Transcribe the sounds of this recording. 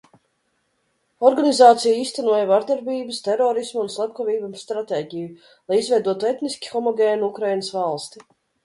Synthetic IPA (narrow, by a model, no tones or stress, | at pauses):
ɔɾɡanizaːt̪sijaiːst̪ɛnuɔjavaɾd̪aɾbʲiːbəst̪ɛɾɔːɾismːnslˠɛp̚kɔvʲiːbamst̪ɾat̪eːɟʲiju | lˠajizvʲɛjd̪uɔt̪uɛt̪niskʲi̥xɔmɔɡʲeːnukɾajnəsvalˠst̪i